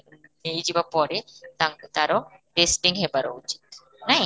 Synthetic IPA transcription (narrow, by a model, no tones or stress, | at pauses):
nejd͡ʒibapɔɾet̪at̪aɾɔʈesʈiŋɦebaɾo̰ut͡ʃi̥t̪̚ | naj